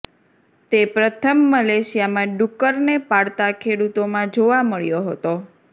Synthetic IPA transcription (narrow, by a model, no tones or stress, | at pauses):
t̪epɾət̪ʰəmːəleʃijamãɖukəɾnepaɽt̪akʰeɽut̪omãd͡ʒoʋaməɭjoɦət̪o